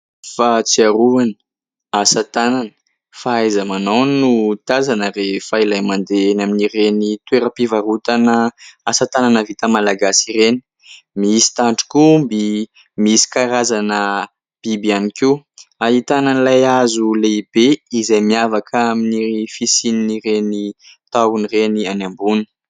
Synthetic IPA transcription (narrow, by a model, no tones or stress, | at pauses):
fat͡siaɾuanə̥ | asat̪ananə̥ | faajzəmanownut̪azanəɾefailajmand̪enaminirenit̪weɾəpivaɾut̪anəasat̪ananəvit̪əmalaɡasireni̥ | miisi̥t̪aɳʈ͡ʂu̥kumbi | miisi̥kaɾazanə | b̥ibianikiaɦit̪ananlajazuleibeizajmiavakʰaminifisininirenit̪awunirenianambuni̥